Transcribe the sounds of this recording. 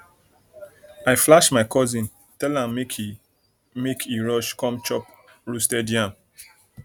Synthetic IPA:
aɪflaʃmaɪkɔzĩn | tɛlãmːe | mekʰiɹɔʃkɔ̃mt͡ʃɔp | ɹustɛdiãm

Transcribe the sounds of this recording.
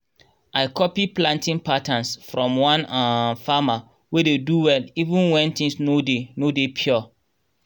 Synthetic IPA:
ʔaɪkʰɔpiplãntĩnpatãnsfɹɔ̃mwãnafama | wededuwɛlivũnwɛ̃ntĩŋsnodenodepʰjɔ

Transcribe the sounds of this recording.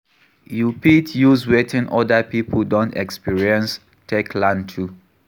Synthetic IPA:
jupitʰjuzwɛtʰĩnʔɔdapipʰədɔ̃ntɛkspiɹiə̃ns | tʰɛkʰlãntʰu

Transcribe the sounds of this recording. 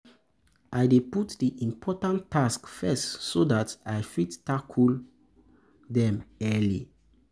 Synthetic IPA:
ʔajdeputdiʔĩmpʰɔtãnaskfɛstsodatajfidtakʰul | dɛ̃mɛlḭ

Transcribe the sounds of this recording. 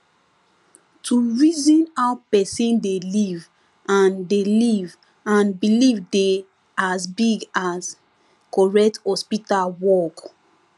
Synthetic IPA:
tʰuɹizĩnhawpɛsĩndeliv | ãndeliv | ãnbilivde | azbiɡas | kɔɹɛk̚thɔspitalwɔk

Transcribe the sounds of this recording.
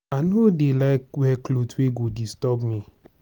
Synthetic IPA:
anodelaɪk̚wɛklotweɡodistɔbmĩ

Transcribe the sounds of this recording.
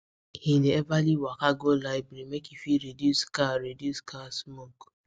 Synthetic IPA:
hineebaliwakaɡolaɪbɾimekifiɾedjuskaɾeduskasmok

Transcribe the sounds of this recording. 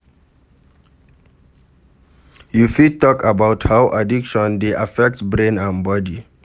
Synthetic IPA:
jufid̚tɔkabawthawʔadikʃɔ̃ndeʔafɛk̚tbɹẽnãnbɔdi

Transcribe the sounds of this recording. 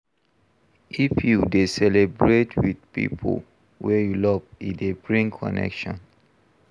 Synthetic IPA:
ʔifjudesɛlebɹetʰwidpḭpʰo̰ | wɛjulɔvidebɹĩŋkʰɔ̰nɛ̰kʃɔ̰̃n

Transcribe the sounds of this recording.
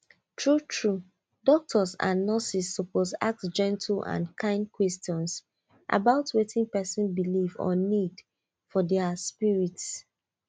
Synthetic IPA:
tʰɹutʰɹu | dɔk̚tʰɔsã̰nːasisːoposa̰k̚td͡ʒɛ̃ntʰl̩ã̰nkʰãɪ̃ndkʰwɛstɔ̃ns | ʔa̰baʊtʰwetĩŋpɛsĩnbilivɔ̰nid | fɔdɛəspiɹits

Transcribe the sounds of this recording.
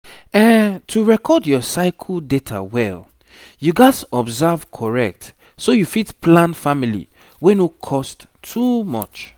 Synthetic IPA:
ɛ̃ntʰuɹɛkʰɔdjɔsaɪkʰldetʰa̰wɛ̰l | juɡatɔbzav̥kʰɔɹɛ̰k̚t | sojufitpʰlãnfamilḭ | wɛ̃nukʰɔstʰːumɔ̰t͡ʃ

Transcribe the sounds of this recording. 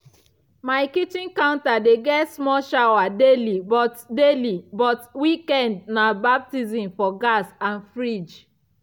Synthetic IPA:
maɪkitĩnkãʊ̃ntadeɡɛtsmɔʃawadelibɔtdelibɔtwikɛ̃ndnabap̚tizĩmfɔɡasãnfɹid͡ʒ

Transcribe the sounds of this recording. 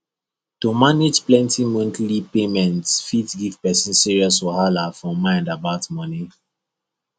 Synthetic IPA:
tumaned͡ʒplɛ̃ntĩmɔ̃ntlipemɛ̃ntsfitɡiv̥pɛsĩnsiɹiɔstɔhalafɹɔ̃mãɪ̃ndabaʊtmɔni

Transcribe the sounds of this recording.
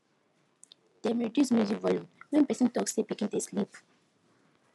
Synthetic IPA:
d̥ɛmɹɛdjusmuzikvɔlũmwɛ̃npɛsɔ̃ntɔksebikĩnteslip

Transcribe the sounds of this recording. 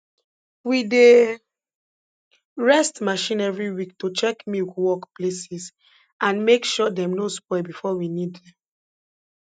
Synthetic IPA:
wide | ɹɛstmaʃĩnɛvɹiwiktot͡ʃɛkmiwɔkplesis | ãnmekʃɔdɛ̃mnospɔɪbifɔwiniddɛ̃m

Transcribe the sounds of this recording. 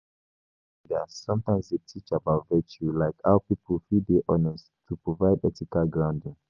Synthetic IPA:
dɛasɔ̃mtãɪ̃msdetʰit͡ʃabaʊtvɛt͡ʃulaɪkaʊpipʰəlfideʔɔnɛs | tʰupɹovaɪdɛtikalɡɹãʊ̃ndĩŋ

